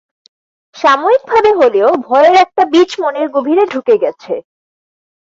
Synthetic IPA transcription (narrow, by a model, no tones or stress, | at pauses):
ʃamoik̚bʱabeɦoleobʱɔeeɾɛk̚ʈabit͡ɕmoneɾɡobʱiɾeɖʱukeɡɛt͡ɕʰe